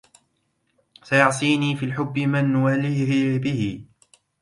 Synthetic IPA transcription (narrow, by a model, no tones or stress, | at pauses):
sajɑʕsˤiːniːfiːlħʊbːɪmanːʊwalɪhhɪbɪhɪ